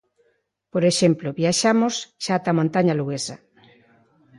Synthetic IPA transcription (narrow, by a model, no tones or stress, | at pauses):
poɾeʃemploβjaʃamosʃaːt̪amõnt̪aɲaluɣesɐ